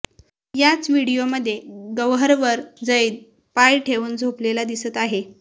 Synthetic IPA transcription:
jat͡sʋiɽijoməd̪ʱːjeɡəʋɦəɾʋəɾd͡zəit̪̚ | pajʈʰeʋuːnd͡zʱoplelad̪isət̪aɦe

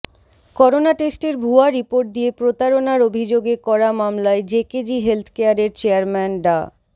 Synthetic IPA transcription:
kɔɾonaʈesʈeɾbʱuaɾipoɾʈ̚d̪ijepɾot̪aɾonaɾobʱid͡ʑoɡekɔɾamamlaed͡ʑeked͡ʑiɦelt̪ʰkeaɾeɾt͡ɕeaɾmɛnɖa

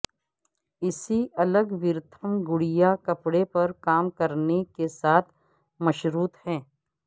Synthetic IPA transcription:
ɪsiʔɐləɡʋɪɾt̪ʰəmɡʊɽijakɐpɽepɐɾkaːmkɐɾnekesaːt̪ʰ | mɐʃɾuːt̪hɛ̃ː

